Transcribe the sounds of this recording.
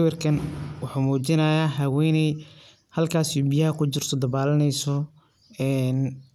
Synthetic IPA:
wɛrkʰɐnwɑħuːmuːt͡ʃɪnɐjaːɦɐwɛjnɛj | hɐlkʰaːsɪjubɪjɐɦɐkʰʊt͡ʃɪr̥t̪ʰɔd̪ɐβaːlɐnɛjsɔ | ɛːn

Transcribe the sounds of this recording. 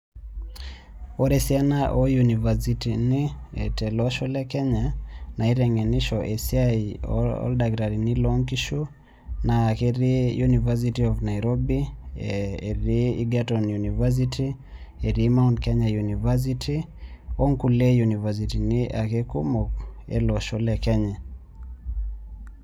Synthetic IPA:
ɔɾɛsianaʔɔjunivasitiniḛtɛlɔʃɔlɛkɛɲanaiɾɛŋɛniʃɔʔesia | ɔ̰ldaɡɾaɾinilɔŋkiʃu | naːkeɾijunivas̬itiɔvnaiɾɔbi | eɾiḭɡatɔnjunivas̬itʰi | eɾimaunkɛɲajunivas̬iti | ɔŋkulejunivas̬itiniʔakekumɔk̚ḛlɔʃɔlɛkɛɲa

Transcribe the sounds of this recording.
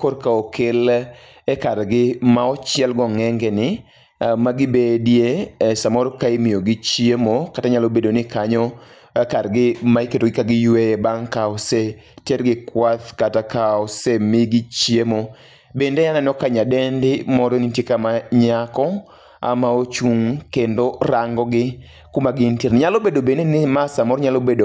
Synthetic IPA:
koɾkaokɪl | ɛkaɾɡɪmaɔt͡ʃɪɛlɡɔŋɛŋɡenɪ | maɡɪbedjesamɔɾokaimijoɡit͡ʃjemokataɲalobedonɪkaɲɔ | kaɾɡɪmaiketoɡɪkaɡɪjwejebaŋkaɔse | teɾɡɪkwat̪katakaɔsemiɡɪt͡ʃjemo | bendejanɛnɔkaɲadɛndɪmɔɾɔnitjekamaɲakɔ | a̰maot͡ʃuŋkendoɾaŋɡɔɡɪ | kumaɡɪntiɾnɪɲalobedobendenɪmasamɔɾɲalobedo

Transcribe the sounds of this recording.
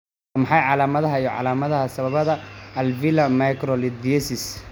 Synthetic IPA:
mɑħɑjʕɑlaːmɐðɐɦɐijɔʕɑ̰laːmɐðɐɦɐsɐβɐβɐðɐɐlvilɐmajkɾɔlɪd̪vɛsɪs

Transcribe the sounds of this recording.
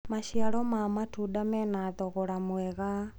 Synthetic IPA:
maʃiaɾɔmamatudamɛnatɔɣɔɾamwɛɣa

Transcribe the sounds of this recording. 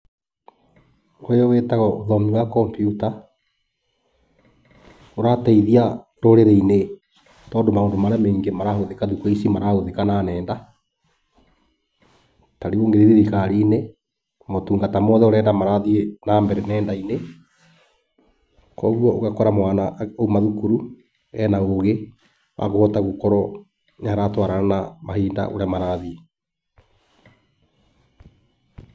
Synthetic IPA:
ojowetaɣɔoðɔmiwakɔmpjuta | oɾataiðia | ɾoɾeɾeine | tɔːndomaoːndomaɾameːŋɡemaɾahoðekaðukɔisimaɾahoðekananɛːnda | taɾioːŋɡeɾeɾiɾikaɾine | motuːŋɡatamɔðɛoɾɛːndamaɾaðienaːmbɛɾɛnɛːndaine | kɔːɣwɔoɣakɔɾamwaːnaoumaðukuɾu | ɛnaoɣe | wʔa̰ɣohɔtaɣokɔɾɔ | ɲaɾatwaɾaɾanamahiːnda̰ʔo̰ɾamaɾaðie

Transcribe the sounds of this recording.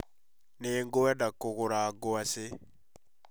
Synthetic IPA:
neːŋɡoɛdakoɣoɾaːɡoase

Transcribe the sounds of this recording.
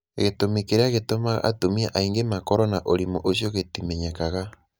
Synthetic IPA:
eɣetomikeɾeaɣetomaɣa̰ʔa̰tomiaʔaiŋɡemakɔɾɔnaʔoɾimoʔoʃ̬joɣetimɛɲɛkaɣa

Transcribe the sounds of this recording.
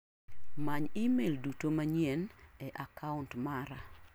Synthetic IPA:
maɲimeldutomaɲɛnɛʔakʰaʊntmaɾa

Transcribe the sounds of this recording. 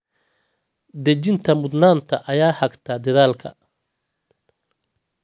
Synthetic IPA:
d̪ɐt͡ʃɪnt̪ʰɐmʊd̪naːnt̪ʰɐʔɐjaːhɐɡt̪ʰɐd̪ɐðaːlkʰɐ̰

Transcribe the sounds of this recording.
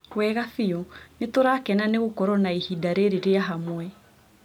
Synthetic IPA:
wɛɣafionetoɾakɛnaneɣokɔɾɔnaehidaɾeɾeɾeaɦamwɛ

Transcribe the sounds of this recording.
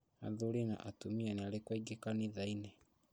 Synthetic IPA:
a̰ðulina̰ʔatumianealekwaiɡekaniðainɛ

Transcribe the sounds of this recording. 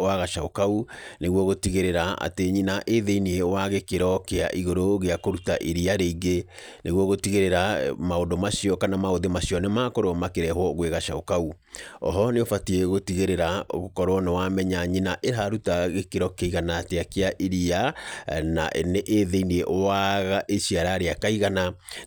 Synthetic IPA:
owaɣaʃaokauneɣwɔɣotiɣeɾeɾaa̰teɲinaʔeðeinieowaɣekeɾɔkea̰ʔiɣoɾoɣeakoɾutaʔiɾiaɾeiɣɡe | neɣwɔɣotiɣeɾeɾamaondomaʃiɔkanamaoðemaʃiɔnemaːkɔɾoɔmakeɾɛhwɔɣweɣaʃaokau | ɔ̰ɦɔneofatieɣotiɣeɾeɾao̰ɣokɔɾwɔnewamɛɲaɲinaʔehaɾutaɣekeɾɔkeiɣanaːteakeaʔiɾiana̰ʔḛneʔeðeinieʔowaɣaʔesiaɾaɾeakaiɣana

